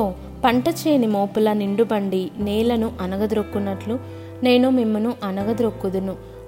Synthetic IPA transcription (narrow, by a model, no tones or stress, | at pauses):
oː | pɐɳʈɐt͡ʃeːnimo̞ːpulɐniɳɖubɐɳɖiniːlɐnuʔɐnɐɡɐd̪ɾokːunːɐʈlu | ne̞ːnumimːɐnuʔɐnɐɡɐd̪ɾokːud̪unu